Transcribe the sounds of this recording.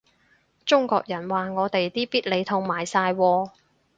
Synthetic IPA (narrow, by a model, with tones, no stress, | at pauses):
t͡ʃʊ˥ŋkɔ̰ː˧k̚jɐ˨˩nwaː˨ŋɔː˨˧t̪e˨jt̪iː˥piː˥t̚le˨˧jt̪ʰʊ˧wmaː˨˩jsaː˧jwɔː˧